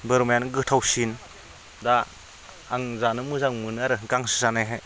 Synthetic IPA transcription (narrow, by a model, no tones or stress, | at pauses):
bɯɾmjanɡɯtʰawsin | daː | ŋzanɯmɯzaŋmɯnɯaɾɯɡaŋsɯ̥sanajɦaj